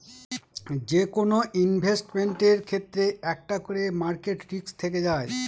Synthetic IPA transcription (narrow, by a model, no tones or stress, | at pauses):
d͡ʑekonoʔinbʱesʈmeɳʈeɾkʰet̪ːɾeɛk̚ʈakoɾemaɾkeʈɾikst̪ʰeked͡ʑae